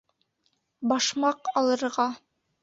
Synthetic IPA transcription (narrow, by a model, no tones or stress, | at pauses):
bɑʃmɑqɑlˠɤ̆ɾʁɑ